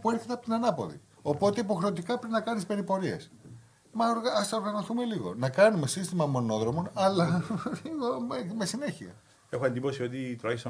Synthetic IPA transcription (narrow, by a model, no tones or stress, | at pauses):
pueɾθet̪eɐpot̪inɐnɐpo̞̰ðḭ | o̞po̞t̪eipo̞xɾe̞ot̪ikɐpɾinɐkɐnspe̞ɾipo̞ɾie̞̰s | mɐoɾɣɐst̪ɐo̞ɾɣɐno̞θume̞liɣo̞̰nɐkɐnume̞sist̪imɐmo̞no̞ðɾo̞mo̞nɐlɐliɣomeme̞sine̞çiɐ̰ | e̞xoɐnd̪ipo̞sio̞t̪it̪ɾoɐçesɐ